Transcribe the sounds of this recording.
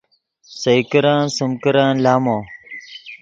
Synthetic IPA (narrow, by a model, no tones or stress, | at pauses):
sɐjkəɾãːnsəmkəɾãːnlaːmõː